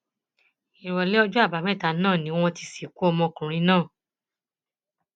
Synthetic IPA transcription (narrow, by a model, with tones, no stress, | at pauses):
i˨ɾɔ˨lɛ˦ɔ˧˦d͡ʒɔ˦a˦˨ba˨˦mɛ̃˦˨ta˨˦nãː˦˨nĩ˨˦w̃ɔ̃˧ti˧si˨ku˦ɔ˧mɔ̃˧kũ˨ɾ̃ĩ˧˦nãː˦˨